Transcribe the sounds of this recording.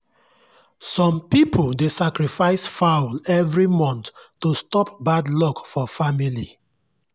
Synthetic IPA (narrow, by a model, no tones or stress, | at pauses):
sɔ̃mpipʰoldesakɹifaɪsfaʊlɛvɹimɔ̃ntː | ustɔpbadlɔkfɔfamili